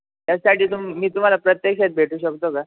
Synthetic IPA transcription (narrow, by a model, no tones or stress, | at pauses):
t̪jasaʈʰiːt̪umːiːt̪um̤alapɾət̪jekɕet̪̚bʱeʈʰuːɕəkt̪oka